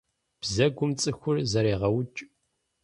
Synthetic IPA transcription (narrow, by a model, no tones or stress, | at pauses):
b̥zɐɡʷʊmt͡sʼɨxʷʊrzɐɾeːʁɐwʊt͡ʃʼ